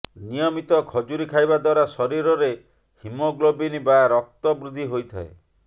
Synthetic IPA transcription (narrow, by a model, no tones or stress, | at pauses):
nijɔmit̪ɔkʰɔd͡ʒuɾikʰajbad̪waɾasɔɾiɾɔɾe | himɔɡlobinibaɾɔk̚t̪ɔbɾud̪ʱiɦojt̪ʰa̰e